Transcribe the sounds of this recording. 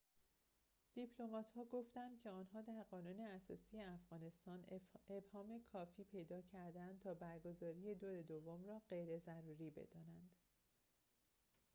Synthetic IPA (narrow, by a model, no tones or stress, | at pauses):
d̪̥ipʰlo̞mɒːt̪hɒːɡoft̪ænd̪̚cʲʰe̞ɒːnɦɒːd̪æɾɢɒːnuːne̞æsɒ̰ːsijeæfɣ̥ɒːne̞st̪ɒːne̞bhɒːme̞kʰɒːfiːpʰe̞jd̪ɒːcʰæɾd̪ænd̪̚t̪ʰɒːbæɾɡo̞zɒːɾije̞d̪oɾe̞d̪ovːomrɒːɢe̞jɾe̞zæɾuːɾiːbḛd̪̥ɒːnænd̪̥